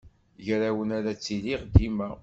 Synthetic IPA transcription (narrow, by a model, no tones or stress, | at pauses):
ʝɾawənaɾat͡sːiliʁd̪imæ